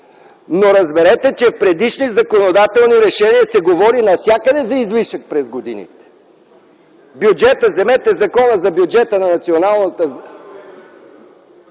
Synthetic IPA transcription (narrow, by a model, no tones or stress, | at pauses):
noɾɐzbɛɾɛt̪ɛt͡ʃɛfpɾɛd̪iʃnizɐkonod̪at̪ɛlˠniɾɛʃɛniəsɛɡovɔɾinɐsʲjakəd̪ɛzɐizviʃək̚pɾɛzɡod̪ḭnḭt̪ɛ̥ | bjud͡ʒɛt̪əzɛmɛt̪ɛzɐkɔnəzɐbʲjud͡ʒɛt̪ənɐnɐt̪sionalˠnət̪ə